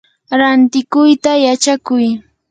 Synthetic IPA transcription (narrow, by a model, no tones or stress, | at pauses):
ɾant̪ɪkʊjt̪ajat͡ʃakʊj